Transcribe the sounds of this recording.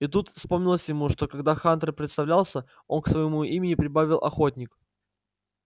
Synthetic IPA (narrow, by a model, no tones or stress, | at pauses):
it̪ut̪fspo̞mnʲɪlˠəsʲjɪmuʂt̪o̞kɐɡd̪axant̪ɾəpɾʲɪt̪st̪ɐvlʲalˠsʲə | onksvəjɪmuimʲɪnʲɪpɾʲɪbavʲɪlˠʔɐ̰xo̞t̚ʲnʲɪk